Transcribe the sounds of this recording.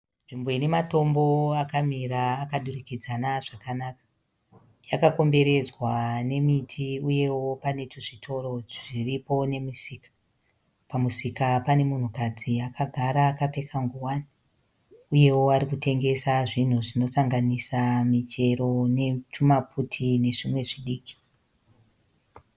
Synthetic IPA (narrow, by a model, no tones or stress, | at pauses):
nʐimbo̞ine̞mato̞mbo̞akamiraːkaɗurikid͡zanaʐakanakḁ | jakako̞mbe̞ɾe̞d͡zwane̞mitʰiuje̞wopane̞tuʐitʰo̞ro̞ʐiripo̞ne̞misiːkḁ | pamusikapane̞mun̤ukad͡ziakaɡʱaɾaːkape̞kʰaŋɡuwani | uje̞woaɾikute̞ŋɡe̞saʐin̤uʐino̞saŋɡanisamit͡ʃe̞ro̞ne̞t͡ʃumaputʰine̞ʐimwe̞ʐiɗiːki̥